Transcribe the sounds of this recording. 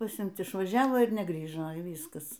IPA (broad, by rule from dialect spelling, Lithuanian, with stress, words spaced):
pɐˈsʲɪmt ɪʃʋɐˈʒʲæːʋoː ɪr nʲɛˈɡrʲiːʒoː iː ˈʋʲiːskɐs